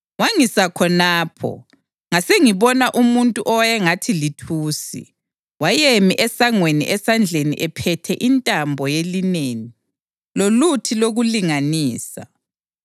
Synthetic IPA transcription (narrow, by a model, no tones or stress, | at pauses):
waŋisakʰɔnaːpʰɔ̰ | ŋaseŋiβɔnaʔumuntʼuʔɔwjɛŋatʰilitʰuːsḭ | wajemiʔɛsaŋwenḭʔɛsand͡ɮʱenḭʔɛpʰɛtʰɛʔintʼambʱɔjelineːŋi | lolutʰiloɣuliŋaniːsa̰